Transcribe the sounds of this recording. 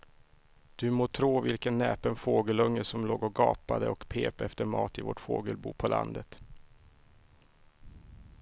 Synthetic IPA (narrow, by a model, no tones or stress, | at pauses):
d̪̥ɵmoːt̪ʰɾuːvɪlkənːɛːpənfoːɡəlɵŋːəsɔmloːɡɔɡɑːpad̪əɔkpʰeːpɛft̪əɾmɑːt̪ɪvo̰ʈfo̰ːɡəlbuːpʰɔlʔa̰nd̪ət̪